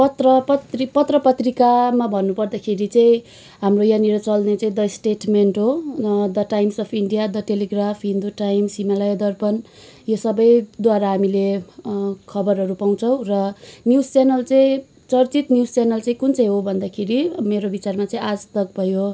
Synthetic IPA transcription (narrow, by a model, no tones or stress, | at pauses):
pʌt̪rʌpʌt̪ripʌt̪rʌpʌt̪rikamabʱʌnːupʌrd̪akʰeɾit͡sʌĩ | ɦamrojaniɾʌt͡sʌlnet͡saĩd̪ʌjsʈeʈmeɳʈɦod̪ʌʈajmsʌpʰiɳɖijad̪ʌʈeleɡrapʰɦind̪uʈajmsimalajd̪ʌrpʌn | josʌbʌjd̪waɾaɦamile | kʰʌbʌrɦʌɾupaw̃t͡sʰʌ̃w̃rʌnjud͡zt͡senʌlt͡sʌĩ | t͡sʌrt͡sit̪njud͡zt͡senʌlt͡sʌĩkunt͡sʌj̃ɦobʱʌnd̪akʰeɾimeɾobit͡sarmat͡saĩad͡zt̪ʌk̚bʱʌjo